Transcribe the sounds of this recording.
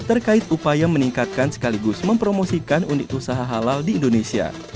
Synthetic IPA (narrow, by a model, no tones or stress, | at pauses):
t̪ərkaɪt̪̚upajaməniŋkat̪̚kansə̥kaliɡʊsməmpɾomosikanunɪkusaɦaɦalaldiːndonesia̰